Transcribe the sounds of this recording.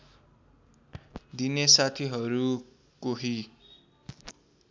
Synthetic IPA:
d̪inesat̪ʰiɦʌɾu | koɦi

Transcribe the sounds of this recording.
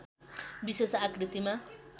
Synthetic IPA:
bisesakɾit̪ima

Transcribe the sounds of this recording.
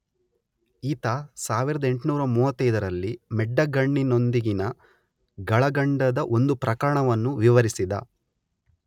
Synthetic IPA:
iːt̪ɐsaːʋiɾɐd̪ɐe̞ɳʈnuːɾɐmuːʋɐt̪ːɐjd̪ɐɾɐlːimɛɖːɐɡɐɳːino̞nd̪iɡinɐ | ɡɐɭɐɡɐɳɖɐd̪ɐʔo̞nd̪upɾɐkɐɾɐɳɐʋɐnːuʋiʋɐɾisid̪ɐ̰

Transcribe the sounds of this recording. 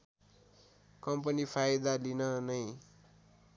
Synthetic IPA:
kʌmp̬ʌnipʰajd̪alinʌnʌj

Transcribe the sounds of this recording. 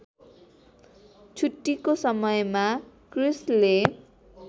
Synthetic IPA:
t͡sʰuʈːikosʌmʌjmakrisle

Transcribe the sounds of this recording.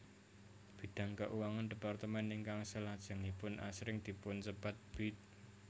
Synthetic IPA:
b̥i̤d̪̥a̤ŋkəʔuwaŋand̪əpart̪əmɛniŋkaŋsəlad̥ʒ̥a̤ŋipʊnʔa̰sɾɪŋd̪̥i̤pʊnsəpat̪̚b̥ɪt̪̚

